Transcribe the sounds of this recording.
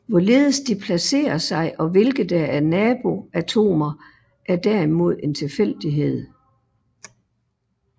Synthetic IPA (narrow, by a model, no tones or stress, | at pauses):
ʋɒle̝ːð̞ˠəsd̥ipʰlæse̝̰ːɐsɑ̈ɪʔɒ̽ʋe̝lɡ̥ð̩ˠd̥ææɐnɛːb̥o̝æt͡sʰo̝̰ːmɐ | ʔæɐd̥æɐimo̝ð̞̰ˠe̝nt͡sʰe̝fel̰d̥iɦe̝ð̞̰ˠ